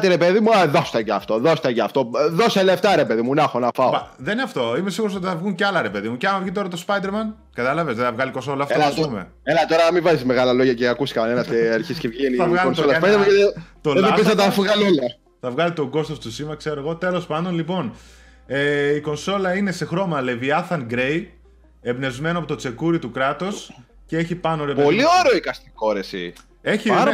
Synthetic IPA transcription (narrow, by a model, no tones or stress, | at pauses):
t̪iɾe̞peðimuðost̪ɐceɐft̪o̞ðost̪ɐcɐft̪o̞ðosɐleft̪ɐɾepeðimunɐxonɐfɐoðenineɐft̪o̞imes̬iɣuɾos̬ot̪iθɐvɣunceɐlɐɾe̞pe̞ðimuceɐmɐvʝit̪o̞ɾɐt̪ospɐjd̪eɾmɐn | kɐt̪ɐlɐve̞zðeθɐvɣɐlikonso̞lɐfelɐmḛ | elɐt̪oɾɐmivɐzizme̞ɣɐlɐlo̞ʝɐceakusi̥kɐnenɐsceːɾçiscevʝenikonsolɐsp̪ɐmɐet̪t̪oleepizɐt̪ɐfuɣɐlolɐ | θɐvɣɐlit̪o̞ɡo̞st̪o̞st̪usimɐkse̞ɾoeɣo̞t̪e̞lo̞spɐnd̪o̞nlipo̞n | eiko̞nso̞lɐine̞se̞xɾo̞mɐle̞viɐθɐŋɡɾe̞j | ebne̞zme̞noɐpot̪ot͡se̞kuɾit̪ukɾɐt̪os | cee̞çipɐnoɾepolioɾeoikɐst̪i̥ko̞ɾesḭ | e̞çi